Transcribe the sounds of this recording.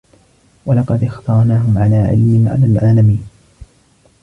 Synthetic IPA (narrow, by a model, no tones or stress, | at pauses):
walɑqɑd̪ʔɪxt̪ɑɾˤnaːɦʊmʕalaːʕɪ̰lmɪnʕa̰lalʕaːlamiːn